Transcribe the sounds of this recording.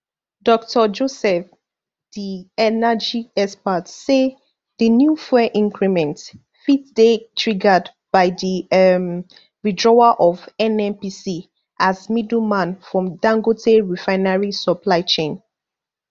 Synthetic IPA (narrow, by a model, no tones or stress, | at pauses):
dɔk̚tʰɔd͡ʒosɛf | d̥iɛnad͡ʒiɛspatse | ðənjufɛʔĩŋkʰɹimɛ̃nt | fitsdetʰɹiɡad | b̥aɪdim | ɹidɹɔaʔɔvɛ̃nɛ̃npisi | ʔazmidumãnfɹɔ̃mdãŋɡotʰeɹifaɪnaɹisɔpʰlaɪt͡ʃẽn